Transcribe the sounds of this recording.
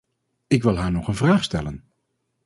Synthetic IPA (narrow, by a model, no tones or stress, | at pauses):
ɪkʋɪlˠɦaːɹnɔχənvraːχstɛlən